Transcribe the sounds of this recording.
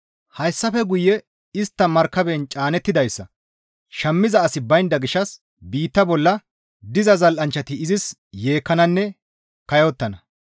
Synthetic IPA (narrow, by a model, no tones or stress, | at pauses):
hɐjsːɐfɛɡʊjːɛ | ɪst̪ːɐmɐɾkːɐbɛnt͡ʃʼaːnɛt̪ːɪd̪ɐjsːɐ | ʃɐmːɪzɐːsɪbɐjnd̪ɐɡɪʃɐs | biːt̪ːɐbɔlːɐ | d̪ɪzɐzɐlʔɐnt͡ʃːɐt̪ɪɪzɪs | je̞ːkːɐnɐnːɛ | kɐjɔt̪ːɐnɐ